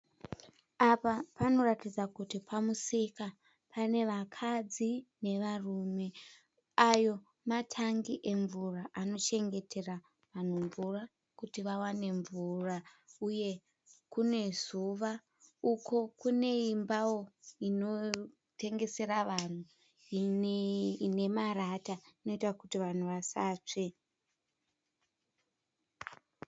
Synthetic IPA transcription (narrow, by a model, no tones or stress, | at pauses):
apapano̞ratid͡zakutipʰamusika | pane̞ʋakʰad͡zine̞ʋarume̞ | ajo̞ | matʰaŋɡiʔe̞ɱvuraʔano̞t͡ʃe̞ŋɡe̞tʰe̞ra | ʋan̤uɱvura | kutiʋawane̞ɱvurauje̞ | kune̞zuʋa | uko̞kune̞imbawo̞ino̞ | te̞ŋɡe̞se̞ɾaʋan̤u | ine̞maɾataino̞itakutiʋan̤uʋasaːt͡ʂe